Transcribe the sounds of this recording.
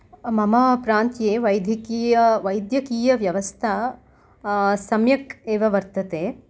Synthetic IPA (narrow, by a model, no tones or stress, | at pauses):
mɐmɐpɾaːnt̪jeːʋɐjd̪ʱjɐkiːjɐʋɐjd̪ʱjɐkiːjɐʋjɐʋɐst̪ʰɐ | sɐmjɐkeːʋɐʋɐɾt̪ɐt̪eː